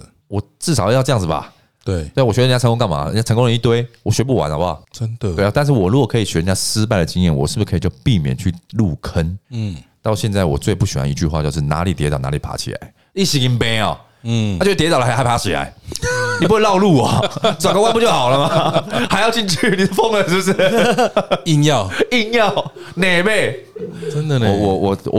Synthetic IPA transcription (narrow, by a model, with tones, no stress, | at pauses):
wɔ˨˩ʈ͡ʂɹ̩˥˩ʂ̬ɑ˨˩ʊ˧jʈ͡ʂɤ˥˧jɑ˥˩ŋd͡z̩˨˩ba̰˨˩ | t̪we˥˩˥wɔ˨˩ɕɛ˧˥˧ə˧˦ŋo˥ŋkɑ˥˩ma̰˨˩˨i˨a˥˩˧ŋkõ˥ŋɻə˧˦i˥˧t̪we˥ɪwɔ˨˩ɕɥɛ˧˥p̬u˥˩wa̰˨˦na˧ba̰˨˩ə˦nd̪we˥˩˧t̪a˥˧nʂ̬̩˥˩wɔ˨˩ɻu˧˥ɡɔ˨˩kʰɤ˧˥i˨˩ɕɥɛ˧˥˧t͡ɕja˥ʂɻ̩˥pa˥˩ɪə˨˩t͡ɕi˧˥ŋjɛ˥˩nwɔ̰˨˩ʂɻ̩˥˩bu˨˩kʰə˧i˨˩t͡ɕo˥˧ʊpi˥˨mjɛ̰˨˩nt͡ɕʰy˥˧lu˥˨kʰə˦nt̪ɑ˥˧ʊɕjɛ˥˧nt͡sa˥˩ɪwɔ̰˨˩t͡swe˥˧ɪpu˥˩ɕi˨˩xwa̰˨˦nḭ˧˥t͡ɕy̰˥˧xwa̰˥˧t͡ɕjo˧ʂɻ̩˥˩na̰˧˥li˨˩t̪jɛ˧˥t̪ɑ˨˩ʊna˦˥li˨˩pʰa̰˧˥t͡ɕʰḭ˨la̰˧˦ɪ | i˥˩ɕi˧˥ŋi˧˦npe˥˦ɔ̰˨˩˧ | o˥˧˩jtɑ˨˩˨xa˧˥˩pʰa˨˧a˥˩ɕi˨˩la̰˧˦ɪni˨˩pu˥xwe˧lɑ˥˧ʊlu˥˩ɐ˨˩t͡swa˨˩ŋɡo˧wa˥˧˦mpu˥˧t͡ɕjo˥˩xɑ˨˩ʊlə˦ma˨ha˧˥ɪjɑ˥˧ʊt͡ɕi˥˧nt͡ɕʰy˥˩ni˨˥˧fɔ˥˧ŋə˨˩ʂ̩˥bʂ̩˥˩ | i˥˧ŋjɑ˥˨ʊi˥˧njɑ˥˨ʊ | ne˨˩ɪbe˥˧˩ɪə˦nd̪ə˨wɔ˨wɔ˨˩wɔ˨˩wɔ̰˨